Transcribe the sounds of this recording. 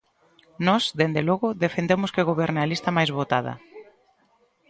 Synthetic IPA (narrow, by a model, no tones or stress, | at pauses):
nɔsd̪end̪elɔɣʊðefend̪emʊskeɣoβeɾnalist̪ɐmajzβot̪að̞ɐ̰